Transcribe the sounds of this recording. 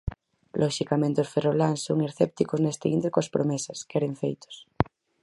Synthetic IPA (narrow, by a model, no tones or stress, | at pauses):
lʔoʃikamẽnt̪eosferoβlansːoŋeɾθep̚t̪ikoznest̪eḭnt̪ekoaspɾomesaskeɾeɱfejt̪o̥s